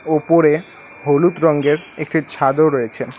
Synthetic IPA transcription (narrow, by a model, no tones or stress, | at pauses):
opoɾe | ɦolut̪ɾɔŋɡeɾek̚ʈit͡ɕʰad̪oɾoet͡ɕʰen